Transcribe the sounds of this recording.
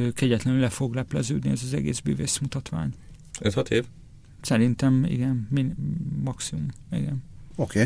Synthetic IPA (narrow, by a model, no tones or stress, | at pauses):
kɛɟɛt̪lɛnylɛfo̞ɡlɛplɛzøːd̪niɛzɒzɛ̰ɡḛːzby̰ːveːsmut̪ɒt̪ʋa̰ːɲ | øt̪hɒt̪eːv | sɛɾint̪ɛmḭɡɛnminːɒksimumḭɡɛnokeː